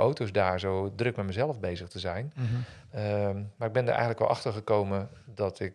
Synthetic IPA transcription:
ʔowtosdaːɹzowdrɵk̚mɛtməzɛlˠəfbejzəχtəzɛjn | maːɪɡ̚bɛndə̰ʔɛ̰jəntləkʋɛ̰lˠɑ̰χtəɹχəkowmədɑtɪk

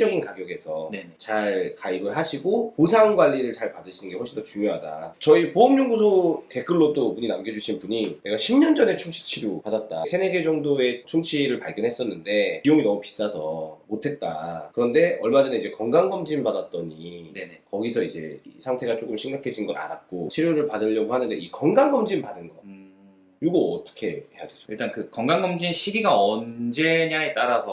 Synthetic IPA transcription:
ʌɡinkaɡjʌɡe̞sʰʌt͡ɕaɭkaibɯɭɦaɕʰiɡopos̬ʰaŋɡwaʎːiɾɯɭt͡ɕaɭpadɯɕʰinɯnɡe̞hwoɭɕ͈ʰindot͡ɕuŋjoɦada̰t͡ɕʌipoʌmɲoŋɡus̬ʰote̞k͈ɯɭːodobuɲinamɡed͡ʑuɕʰinpuɲine̞ɡaɕʰimɲʌnd͡ʑʌne̞t͡ɕʰumɕʰi̥t͡ɕʰiɾjopadat̚t͈asʰe̞neɡe̞d͡ʑʌŋdoe̞t͡ɕʰumt͡ɕʰiɾɯɭpaɭɡjʌnɦe̞s͈ʌnːɯnde̞ijoŋinʌmupi̥s͈asʰʌmotʰe̞t̚t͈akɯɾʌnde̞ʌɭmad͡ʑʌneid͡ʑe̞kʌŋɡaŋɡʌmd͡ʑimpadat̚t͈ʌɲinenekʌɡisʰʌid͡ʑe̞̰ḭsʰaŋtʰe̞ɡat͡ɕ͈ok͈ɯmɕʰiŋɡakʰe̞d͡ʑʰinɡʌɾa̰nat̚k͈ot͡ɕʰiɾjoɾɯɭpadɯʎːʌɡoɦhanɯnde̞ikʌŋɡaŋɡʌmd͡ʑimpadɯnɡʌ | iɭɡoʌt͈ʌ̥kʰe̞hejadweso̥iɭt͈ankɯkʌŋɡaŋɡʌmd͡ʑinɕʰiɡiɡaʌnd͡ʑe̞ɲaet͈aɾasʰʌ

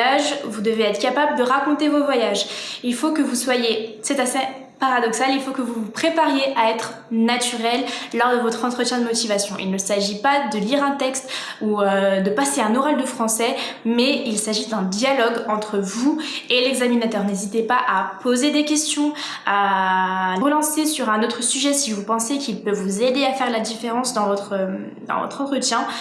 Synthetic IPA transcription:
aʒvud̪əveɛt̪χkʲapabləd̪əʁakɔ̃t̪evovwajaʒilfokəvuswajesɛt̪ase | paʁad̪ɔksalilfokəvuvupχepaʁjeʔaɛt̪χ | nat̪yʁɛlːɔʁd̪əvɔt̪χɑ̃t̪χət̪jɛ̃d̪əmɔt̪ivasjɔ̃ʔḭlnəsaʒipad̪əliʁɛ̃t̪ɛkst̪ | uød̪əpaseɛ̃nɔʁald̪əfχɑ̃sɛmɛilsaʒid̪ɛ̃d̪jalɔɡɑ̃t̪χəvuelɛɡzaminat̪œːʁnezit̪epaʔapʰozed̪ekʲɛst̪jɔ̃ | a | ləlɑ̃sesyʁɛ̃not̪χəsyʒɛsivupɑ̃sekʲilpøvːuzed̪eafɛʁlad̪ifeʁɑ̃sd̪ɑ̃vɔt̪χə | d̪ɑ̰̃vɔ̰t̪χɑ̃t̪χət̪jɛ̃

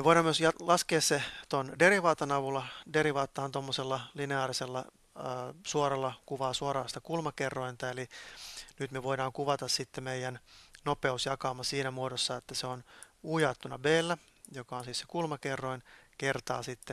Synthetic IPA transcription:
meʋoiɾɑːmːmyøsjɑlɑskeːsset̪ondeɾiʋɑːt̪ɑnɑʋulːɑdeɾiʋɑːt̪ːɑːnt̪omːoselːɑlineɑːriselːɑ | suorɑlːɑkuʋɑːsuoɾɑːst̪ɑkulmɑkerːoint̪æelinyt̪meʋoidɑːŋkuʋɑt̪ɑssit̪ːemeijænnopeusjɑkɑːmɑsiːnæmuodosːɑet̪ːæseonujɑt̪ːunɑbeːlːæ | jokɑonsisse̥kulmɑkerːoinkert̪ɑ̰ːsit̪ːe

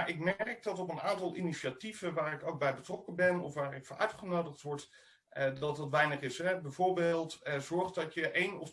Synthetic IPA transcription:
aɹʔɪkmɛrk̚dɑtɔpənaːntɑlˠʔiniʃativəʋaːrɾɪkowk̚bɛjbətrɔkənbɛnɔ̰fʋaːɹɪkfɔnʔœ̰ɥtχənowdəχtʋɔɹt | dɑtdɑtʋɛjnəχɪsɛbɛjvoːɹbeːlˠtzɔɹχdɑtjəʔejnɔf

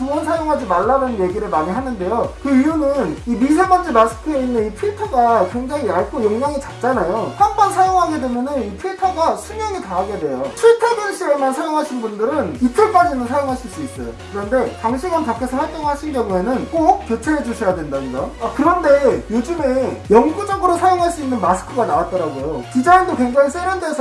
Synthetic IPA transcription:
umʌnsʰajoŋɦad͡ʑimaɭːadanje̞ɡiɾɯɭmaɲiɦanɯnde̞jokɯijunɯnimis̬ʰemand͡ʑimasʰɯ̥kʰɯeinːɯnipʰiɭtʰʌɡakwe̞ŋd͡ʑaŋiaɭkʰojoŋɡaŋit͡ɕak̚t͡ɕ͈anajopʰanbansʰajoŋɦaɡe̞dwe̞mjʌnɯnipʰiɭtʰʌɡasʰumjʌŋitaɦaɡe̞dwe̞jopʰiɭtʰʌbinɕ͈ʰiɾaɭmansʰajoŋɦaɕʰinbundɯɾɯnit͈ʰɯɭk͈ad͡ʑinɯnsʰajoŋɦaɕʰiɭs͈uis͈ʌjo̰kɯɾʌnde̞taŋɕʰiɡanpakʰe̞sʰʌɸaɭt͈oŋɭɦaɕʰinɡjʌŋue̞nɯnk͈ok̚k͈jot͡ɕʰeɦed͡ʑuɕʰʌjadwe̞ndaniɡaakɯɾʌnde̞jod͡ʑɯme̞jʌŋɡud͡ʑʌɡɯɾosʰajoŋɦaɭs͈uinːɯnmasʰɯ̥kʰɯɡanawat̚t͈ʌɾaɡojot͡ɕid͡ʑaindokwe̞ŋd͡ʑaŋis͈eɾonte̞sʰ

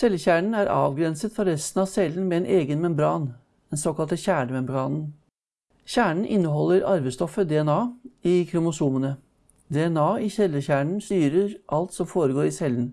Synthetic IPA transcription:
sɛlːəçæːɳɳ̩æːɾʔɑ̰ːʋɡɾɛnsət̪fɔɾɾɛst̪n̩ɑsɛlənmɛɛːnʔeːɡənmɛmbɾɑːn | ɛnsɔkɑlt̪əçæːɖəʋɛmbɡɑːnn̩ | çæːɳɳ̩ʔɪnːəhɔlːəɾʔɑɾʋəst̪ɔfəd̪ɛɛnɑːiːkʰɾʊmʊsuːmənə | d̪ɛɛnɑːiçɛləçæːɳɳ̩st̪yːɾəʔɑlt̪sɔmfoːɾəɡoːɾisɛlːən

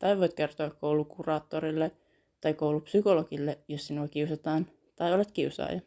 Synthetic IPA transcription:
t̪ɑjʋojt̪ke̞rt̪oɑkkoulukurɑːt̪ːoɾilːe | t̪ɑjkowlupsykolokilːejossinuɑkiusɑt̪ɑːn | t̪ɑjolet̪kiusɑ̰ːjɑ

